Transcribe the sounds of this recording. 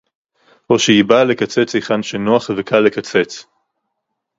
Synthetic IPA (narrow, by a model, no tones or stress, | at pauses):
oʃejibalekat͡set͡shiχanʃenoaχvekʰalekat͡set͡s